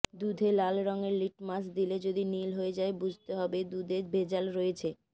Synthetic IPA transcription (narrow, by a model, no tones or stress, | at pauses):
d̪ud̪ʱelalɾɔŋeɾliʈmas̬d̪iled͡ʑod̪inilɦoed͡ʑaebud͡ʑʱt̪eɦɔbed̪ud̪ʱebed͡ʑalɾojet͡ɕʰe